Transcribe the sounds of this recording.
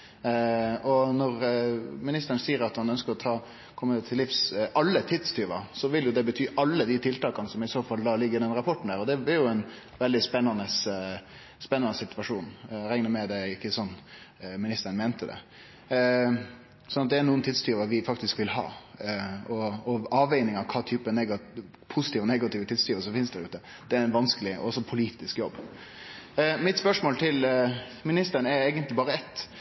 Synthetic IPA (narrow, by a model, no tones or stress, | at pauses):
ɔnɔɾmɪnɪst̪əɾənsiːəɾɑt̪hɑnœnskəɾɔt̪ʰɑː | kʰɔmːʉt̪ʰɪlɪfsʔɑlːət̪ʰɪt̪st̪ʰyːʋɑ̰sɔʋɪljʊd̪ɛbət̪ʰyːʔɑlːəd̪ɪt̪ʰɪlt̪ɑːkɑnəsɔmɪsoːfɑlːd̪ɑːlɪɡːəɾɪd̪ɛnɾɑpʰɔʈn̩æːɾɔd̪ɛbɪɾjʊæɪn | ʋɛld̪ɪspɛnːɑnəs | spɛnːɑnəsɪt̪ʉʋɑʂuːnɾɛŋnəmɛd̪æɪkːəsɔnːmɪnɪst̪əɾənmɛːnt̪ʰəd̪ɛ̰ | sɔnɑt̪̚d̪ɛænuːnt̪ɪd̪st̪yːʋəʋɪfɑkt̪ɪskʋɪlhɑ̰ː | ɔɔɑːʋæɪnɪŋɑʋkʰɑːt̪ʰyːpənɛɡɑ | pʰʊsɪ̥t̪iːʋənɛɡɑt̪iːʋət̪ʰɪd̪st̪yːʋəsɔmfɪnsd̪æɾʉ̰ːt̪ə | d̪̥ɛæɾɛnʋɑnskəlɪɔ̰ɔsːɔpʰʊliːt̪ɪskjɔ̰bː | mɪt̪spœʂmoːlt̪ʰɪlmɪnɪst̪əɾnɛɾeːɡənt̪lɪbɑːɾəɛt̪